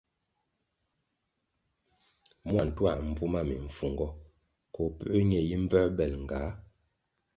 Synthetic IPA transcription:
mwa˨n̩˨twa˨m̩˨b͡vu˦ma˦˨mi˨ɱ̩˨fu˨ŋɡɔ˦ | kɔ˨˦pə˦ʔːɲɛ˨ji˦m̩˦b͡vɛ˦bɛ˨lŋ̩˨ɡa˨˦

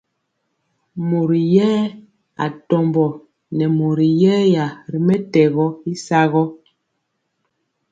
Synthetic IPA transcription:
mo˨ɾi˨jɛː˦ | a̰˨tɔ˨mbɔ˨ | nɛ˨mo˨ɾi˨jɛ˦ja˨ɾi˨mɛ˦tɛ˨ɣɔ˦i˦sa˦ɣɔ˦

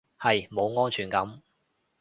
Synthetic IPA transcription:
hɐ˨jmo˨˧wŋɔː˥nt͡ʃʰyː˨˩nkɐ˨˥m

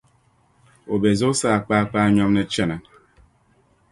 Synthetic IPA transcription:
o˨be˨zo˦sa˦a˨k͡pa˦a˦˨k͡pa˦ɲɔ˦m˦ne˦t͡ʃe˦na˨

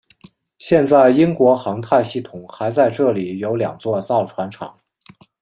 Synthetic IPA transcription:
ɕjɛ˥˧nt͡sa˥˩ɪi˥ŋkwɔ˧˥xɑ˧˥ŋt̪ʰa˥˧ɪɕi˥˩t̪ʰʊ˨˩ŋxa˧˥ɪt͡sa˥˧ɪʈ͡ʂɤ˥˩li˨˩jo˧˥ʊljɑ̰˨˩ŋt͡swɔ˥˧t͡sɑ˥˩ʊʈ͡ʂʰwa˧˥nʈ͡ʂʰɑ̰˨˧˥ŋ

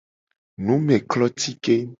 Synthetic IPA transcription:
nũ˨˦mɛ̃˨klɔ˦t̪i˦ke˦

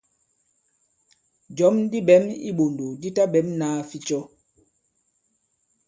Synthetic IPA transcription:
d͡ʒɔ˨˦mdi˦ɓɛ˨˦mḭ˦ɓo˨ndo˨di˦ta˦bɛ˨˦mnaː˦fi˦t͡ʃɔ˦

